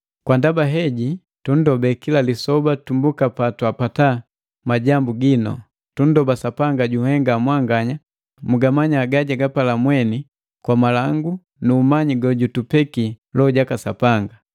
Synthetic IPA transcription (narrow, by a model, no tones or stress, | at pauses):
kwandabaɦɛɟi | tun̩dɔbɛkilalisɔbatumbukapatwapata | maɟambuɡinɔ̰ | tun̩dɔbasapaŋɡaɟuhɛŋɡamwaŋɡaɲa | muɡamaɲaɡaɟaɡapalamwɛni | kwamalaŋɡu | nuːmaɲiɡɔɟutupɛkilɔɟakasapaŋɡa